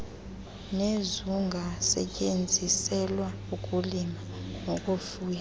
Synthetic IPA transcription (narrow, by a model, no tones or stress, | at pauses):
nezuŋɡʱasɛ̰cʼend͡zʱisɛlwa | ukʼulimaŋokʼofuːja